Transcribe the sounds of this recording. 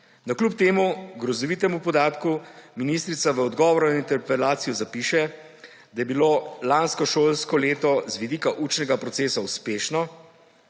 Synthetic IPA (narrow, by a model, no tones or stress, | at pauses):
nɐklup̚t̪eːmuɡɾɔzɔʋiːt̪ɛmupɔd̪aːt̪kuminist̪ɾit̪saʋəɔd̪ɡɔːʋɔɾnaint̪ɛɾpɛlaːt̪sijɔzapiːʃɛ | d̪ajɛbiloːlanskɔʃoːlskɔleːt̪ɔzʋid̪ikaʔut͡ʃnɛɡapɾɔt̪seːsauspeːʃnɔ